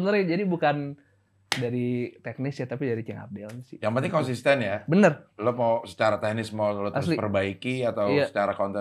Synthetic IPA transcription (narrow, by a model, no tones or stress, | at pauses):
ənəɾd͡ʒadibukan | daɾit̪ɛk̚nɪsjat̪apidaɾit͡ʃɛŋa̰dɛlɲsɪjaŋmant̪ɪŋkɔnsist̪ɛnjabənərlomawsə̥t͡ʃaɾat̪ɛhnɪsmaulot̪asslipərbaikiat̪awjaə̥t͡ʃaɾakɔnt̪ɛ